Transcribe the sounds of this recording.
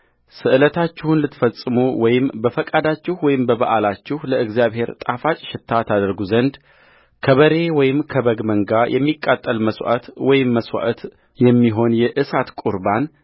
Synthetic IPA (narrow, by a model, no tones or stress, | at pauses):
sɨʔɨlət̪ʰat͡ʃːɪhunlɨt̪fəsʼɨmuwɔjɪmbəfəkʼad̪at͡ʃːɪhwɔjɪmbəβaʔalat͡ʃːɪhləɨɡzijaβhe̞ɾt̪ʼafat͡ʃʼʃɪt̪ʰːat̪ʰad̪əɾɡuzənd̪ | kʰəβəɾe̞wɔjɪmkʰəbəɡməŋɡajʔɛ̰mːikʼːat̪ʼːəlməsw̰ʔə̰t̪wɔjɪmːəswa̰ʔət̪ | jɛmːiɦo̞njɛʔɨsat̪kʼuɾban